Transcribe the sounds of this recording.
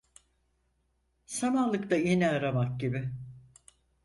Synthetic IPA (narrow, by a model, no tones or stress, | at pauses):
samalˠɯkt̪ajeniaɾamak̚ɟibɪ